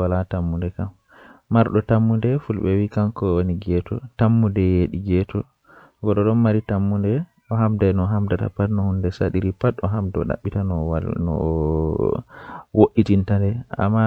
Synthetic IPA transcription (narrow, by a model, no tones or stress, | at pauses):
walatamːundɛkamː | aɾɗɔtamːundɛfulɓɛwikankɔwoniɡɛtʰɔtamːudɛjeɗiɡɛtɔ | ɡɔɗɔɗɔnmaɾitamːundɛ | ɔɦamdanɔɦamdata̰patnɔhundɛsaɗiɾipatɔɦamdɔ̰ɗa̰ɓːitanɔnɔ̰ | woʔːitintandɛa̰mːa